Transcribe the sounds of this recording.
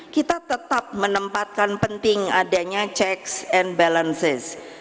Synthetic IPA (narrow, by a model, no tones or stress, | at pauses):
kit̪at̪ət̪ap̚mənəmpat̪̚kanpənt̪ɪŋadaɲat͡ʃɛksɛnbalənsɪs